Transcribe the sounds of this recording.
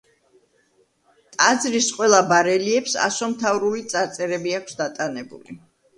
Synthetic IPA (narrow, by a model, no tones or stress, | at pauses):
t̪ʼad̪zɾisqʼwɛlˠabaɾɛliɛpsa̰sɔmt̪ʰavɾulit̪sʼaɾt̪sʼɛɾɛbiakʰsd̪at̪ʼanɛbṵlḭ